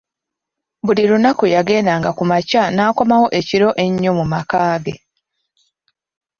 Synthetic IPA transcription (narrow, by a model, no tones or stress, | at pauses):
βuliɾunakujaɡe̞ːndaːŋɡakumacanaːko̞mawo̞ʔe̞ciɾo̞ʔe̞ɲːomumakaːɡe̞